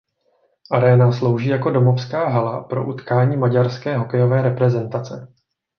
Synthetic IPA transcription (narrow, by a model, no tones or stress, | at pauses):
ʔaɾɛːnaslo̞wʒiːjako̞do̞mofskaːɦalapɾo̞̰ʔut̪kaːɲiːmaɟaɾskɛːɦo̞kɛjo̞vɛːɾɛpɾɛzɛnt̪at͡sɛ